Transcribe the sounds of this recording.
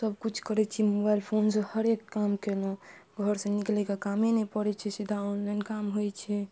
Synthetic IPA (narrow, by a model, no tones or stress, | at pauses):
səb̚kut͡ʃʰkəɾɛt͡ʃʰimobajlpʰonsə̃həɾekːamkelõɡʱəɾsə̃niklɛkakamenɛpəɾɛt͡ʃʰɛsid̪ʱaonlənkamɦojt͡ʃʰɛ